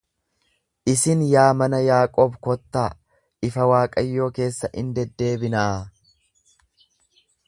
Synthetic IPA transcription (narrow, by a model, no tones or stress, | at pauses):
ʔɪsɪnjaːmɐnɐjaːkʼoːbkɔt̪ːaː | ɪfɐwaːkʼɐjːo̞ːke̞ːsːɐʔɪnd̪ɛd̪ːe̞ːbɪnaː